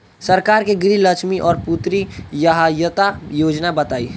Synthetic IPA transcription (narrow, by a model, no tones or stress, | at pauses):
sɐɾkaːɾkeɡɾiləkʃmiʔɔːɾput̪ɾijəɦajət̪ajoːd͡ʒnabɐt̪aːḭː